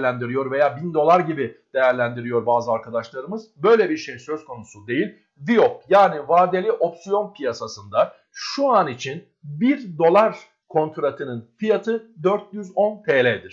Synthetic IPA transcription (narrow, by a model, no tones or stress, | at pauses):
lʲænd̪iɾijo̞ɾve̞jaːbind̪o̞lˠaɾɟibid̪̥e̞jæɾlʲænd̪iɾijo̞ɾbaːzɯaɾkʰad̪aʃlˠaɾɯmɯzbø̞jlʲɛbiɾʃe̞jsø̞zkʰo̞nusud̪e̞jilʲ | viop̚jaːnivaːd̪elʲiʔo̞psijo̞npʰijasasɯnd̪a | ʃuanit͡ʃʰin | biɾd̪o̞lˠaɾ | kʰo̞nt̪ʰuɾat̪ʰɯnɯnfijat̪ʰɯd̪øɾt̪̚jyzo̞npʰeːlʲɛd̪iɾ̥